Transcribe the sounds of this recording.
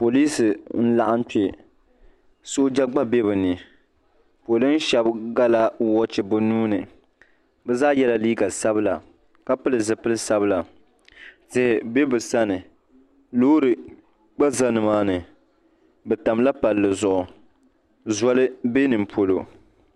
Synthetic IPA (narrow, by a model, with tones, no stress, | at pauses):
po˨liː˦sɨ˨n̩˦la̰˦ʔa˦n˦t͡ʃe˨ | so˦d͡ʒa˦ɡ͡ba˦be˦bɨ˨nɨ˨ | po˨lɨ˦n̩˦ʃɛ˦bɡa˦la˦wɔ˦t͡ʃɪ˨bʊ˦nuː˦nɨ˨ | bɛ˦zaː˦jɛ˦la˦liː˦ɡa˨sa˦bɨ˦la̰˨ | ka˦pɨ˦lɨ˨zɨ˨pɨ˦lɨ˦sa˦bɨ˦la˨ | zɪ˦hɪ˨be˦bɨ˨sa˦nɨ˨ | loː˦ɾɨ˨ | k͡pa˦za˦nɨ˨maː˦nɨ˨ | bɛ˨ta˨mla˦pa˨lːɨ˨zʊ˨ʔʊ˨ | zɔ˦lɨ˦be˦nɨ˨m̩˨pʰo˨lo˨